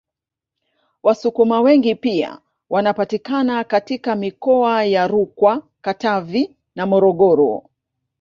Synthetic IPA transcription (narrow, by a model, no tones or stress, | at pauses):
wasukumawɛŋɡipia̰ | wanapatikanakatikamikɔajaɾukwa | katavi | namɔɾɔɠɔɾɔ̰